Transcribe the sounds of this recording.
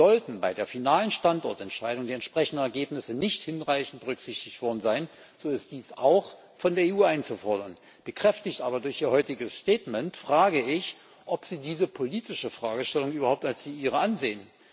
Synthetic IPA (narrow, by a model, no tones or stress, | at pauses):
zɔltn̩baɪdeːɐfinaːlənʃtantɔɐtɛntʃaɪɾʊŋdiːɛntʃpʁ̥ɛçndən̩ɛɐɡeːpnɪsənɪçthɪnʁaɪçn̩t̚bəʁʏkz̥ɪçtɪçtv̥ɔɐdn̩zaɪn | z̥oːɪst̚d̥iːsaʊx | fɔndeːɐeːuːaɪnt͡sufɔɐdɐ̰n | b̥əkʁ̥ɛftɪçtʔaːbɐdʊɐçiːɐɦɔʏtɪɡəsʃtɛːtmɛntfʁ̥aːɡəɪç | ʔɔpz̥iːdiːzəpʰoliːtɪʃəfʁ̥aːɡəʃtɛlʊŋʔyːbɐhaʊp̚talsz̥iːʔiːʁ̞əʔanzeːən